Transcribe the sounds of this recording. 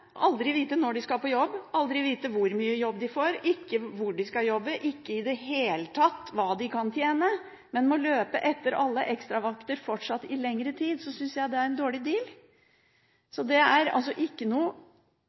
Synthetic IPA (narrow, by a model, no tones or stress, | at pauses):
ʔɑld̪ɾɪʋiːt̪ənɔɖɪskɑhɑpɔjɔbːɑld̪ɾɪʋiːt̪əʋʊɾmyːəjɔbːd̪ɪfoːɾɪkːəʋʊɖɪskɑjɔbːəʔɪkːəɪd̪ɛɦeːlət̪ʰɑt̪ːʋɑːd̪ɪkʰɑnt̪ʰjeːnə | mɛnmɔløːpə̰ʔɛt̪ːəɾɑlːəʔɛkst̪ɾɑʋɑkt̪əɾfɔʈʂɑt̪ːɪlɛŋɾət̪ʰiːd̪sɔsʏnsjæɪd̪ɛæɾɛnd̪oːɭɪd̪iːl | sɔd̪ɛæɾɑ̰ls̬ɔʔɪkːənuː